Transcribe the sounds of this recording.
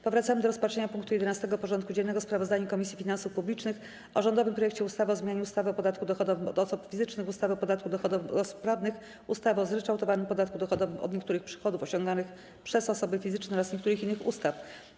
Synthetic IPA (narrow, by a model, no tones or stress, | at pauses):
pɔvɾat̪samɘd̪ɔɾɔspatʂɛɲapuŋkt̪ujɛd̪ɛnast̪ɛɡɔpɔʐɔnt̪̚kud͡ʑɛnːɛɡɔspɾavɔzd̪aɲakɔmʲisʲifʲinansufpublʲit͡ʂnɘx | ʔɔʐɔnd̪ɔvɘmpɾɔjɛkt͡ɕɛust̪avɘɔzmʲjaɲuust̪avɘɔpɔd̪at̪̚kud̪ɔxɔd̪ɔvɘmɔd̪ɔsupfʲizɘt͡ʂnɘxust̪avɘɔpɔd̪at̪̚kud̪ɔxɔd̪ɔɔspɾavnɘx | ust̪avɔzɾɛt͡ʂawt̪ɔvanɘmpɔd̪at̪̚kud̪ɔxɔd̪ɔvɘmʔɔ̰d̪ɲɛkt̪uɾɘxpʂɘ̥xɔd̪ufɔɕɔŋɡ̪anɘx | pʂɛzɔsɔbɘfʲizɘt͡ʂnɛɔɾasɲɛkt̪uɾɘxinːɘxṵst̪af